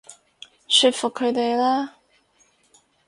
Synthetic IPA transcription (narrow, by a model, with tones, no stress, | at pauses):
sy˧t̚fʊ˨kʰːɵ˨˧˥t̪e˨jlaː˥